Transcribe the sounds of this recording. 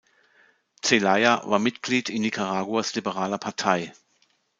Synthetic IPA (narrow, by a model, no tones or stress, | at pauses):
t͡selaɪa̰va̰ːɐmɪtɡ̥liːtɪnːikʰaʁaːɡwuaslibəʁaːlɐpʰaɐtʰaɪ